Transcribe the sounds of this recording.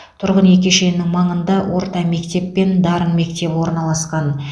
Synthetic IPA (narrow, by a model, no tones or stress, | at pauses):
t̪ʰʊɾʁənje̞kʲe̞ʃe̞nːɪŋmɑɴənd̪ɑwʔo̞ɾt̪ɑme̞kt̪e̞pːe̞nd̪ɑɾənme̞kt̪e̞pɪwo̞ɾnɑlˠɑsqɑn